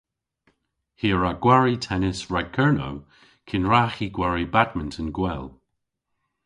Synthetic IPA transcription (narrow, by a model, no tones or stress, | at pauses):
hiːɹaɡ̥waɹitʰɛnɪsɹaɡ̚kʰɛɹno̰w | kʰɪnɹaxiɡwaɹibadməntʰənɡwɛl